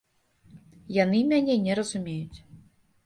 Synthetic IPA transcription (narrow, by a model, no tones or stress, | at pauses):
janɨmʲanʲɛnʲɛɾɐzʊmʲejʊt͡sʲ